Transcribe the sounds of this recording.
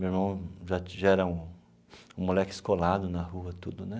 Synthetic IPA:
mewiɾmɐ̃w̃ʒat͡ʃɪʒɛɾɐũ | ũmulɛkʊi̥skolad̪ʊnɐhuɐt̪ud̪ʊnɛ

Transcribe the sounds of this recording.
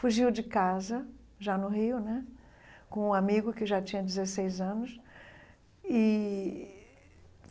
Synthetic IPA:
fuʒiwd͡ʒɪkazɐ | ʒanʊɦiʊnɛ | kõũamiɡʊkɪʒat͡ʃĩɲɐd͡ʒɪzesejzɐ̃nʊs | ɪ

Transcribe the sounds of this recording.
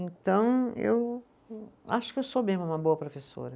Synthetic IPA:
ẽt̪ɐ̃w̃ḛw | a̰ʃʊ̥kɪewsomezmʊũmɐboɐpɾofeso̰ɾɐ

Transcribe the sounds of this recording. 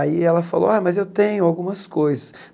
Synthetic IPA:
aiɛlɐfalo̰wajmɐzewt̪ẽɲʊawɡũmɐskojzɐs

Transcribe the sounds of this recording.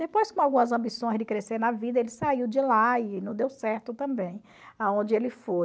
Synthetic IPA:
d̪epojskõawɡũmɐzɐ̃bisõj̃zd͡ʒɪkɾeseɾnɐvid̪ɐelɪsaiwd͡ʒɪlaɪnɐ̃d̪ewsɛɾt̪ʊt̪ɐ̃mbẽj̃ | aõnd͡ʒɪelɪfo

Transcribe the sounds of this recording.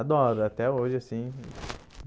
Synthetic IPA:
ad̪ɔɾʊat̪ɛoʒɪasĩ | v

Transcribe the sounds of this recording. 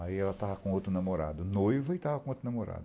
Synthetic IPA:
aiɛlɐt̪avɐkõot̪ɾʊnamoɾa̰d̪ʊnojvɐɪt̪avɐkõot̪ɾʊnamoɾa̰d̪ʊ

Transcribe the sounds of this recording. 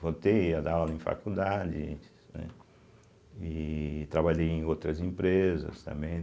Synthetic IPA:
vot̪ejad̪alalẽfa̰kud̪adɪ | nɛ̰ | ɪt̪ɾabaʎejẽj̃owt̪ɾɐzẽmpɾezɐ̰st̪ɐ̰̃mbẽj̃

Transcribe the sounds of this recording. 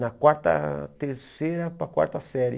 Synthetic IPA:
nakwaɾt̪a̰t̪eɾseɾapakwa̰ɾt̪asɛɾj

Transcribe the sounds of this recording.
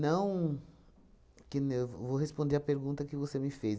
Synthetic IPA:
nɐ̃w̃ | kɪnwvoɦespõd̪eɾɐpeɾɡũnt̪ɐkɪvosemɪfez

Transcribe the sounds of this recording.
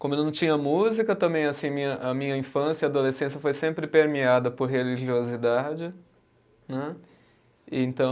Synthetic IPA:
kõmʊelnɐ̃w̃t͡ʃĩɲɐmuzikɐt̪ɐ̃mbẽj̃ɐasĩɐmĩɲɐʔɐmĩɲɐĩfɐ̃sjɐiad̪olesẽs̬jɐfojsẽmpɾɪpeɾmiad̪ɐpoɾɦeliʒiozid̪ad͡ʒɪ | nɛ | ɪẽnt̪ɐ̃

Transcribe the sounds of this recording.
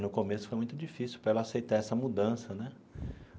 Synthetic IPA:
nʊkomesʊ̥fojmũj̃t̪ʊd͡ʒifisiwpɾɐɛlɐasejt̪aɛsɐmud̪ɐ̃sɐnɛ

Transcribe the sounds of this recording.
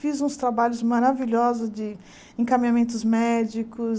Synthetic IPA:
fizũst̪ɾabaʎʊzmaɾaviʎɔzʊzd͡ʒɪ | ẽkamĩɲamẽnt̪ʊzmɛd͡ʒikʊ

